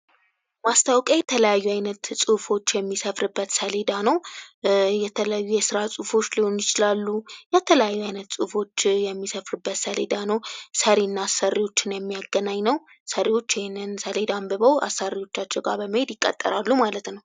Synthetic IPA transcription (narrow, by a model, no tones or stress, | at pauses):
mast̪ʰawkʼaɲjɛt̪ʰələjajːuajnət̪sʼufo̞t͡ʃːjɛmːisəfɾɨbːət̪səled̪anəw | jɛt̪ʰələjajːujɛsɨɾasʼufo̞t͡ʃːliho̞njɪt͡ʃɪlalːujɛt̪ʰələjajːuajnət̪sʼufo̞t͡ʃːjɛmːisəfɾɨbːət̪səled̪anəwsəɾenːaːsərːiwo̞t͡ʃːɪnjɛmːijaɡːənaɲːnəw | səɾiwo̞t͡ʃːɪhenːɨnsəled̪ambɨβəwa̰sːariwo̞t͡ʃːat͡ʃːɛɡa̰ɾbəməhed̪jɪkʼːə̰t̪ʼːə̰ɾalːumalət̪nəw